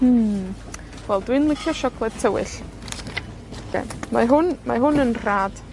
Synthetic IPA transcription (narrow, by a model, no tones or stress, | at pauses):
wɛlˠdwɨnlˠɪkʰjɔʃɔkʰlˠɛd̥̚tʰəwɪ̰ɬ | kʰḛma̰ɦʊnmaɦʊnənr̥aːd̥